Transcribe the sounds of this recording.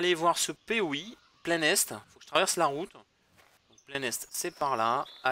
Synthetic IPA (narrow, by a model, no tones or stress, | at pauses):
alevwaʁsəpewi | plɛnɛst̪ifokə̥ʒə̥t̪χavɛʁslaʁut̪ | d̪ɔ̃k̚plɛnɛst̪sɛpaʁlaa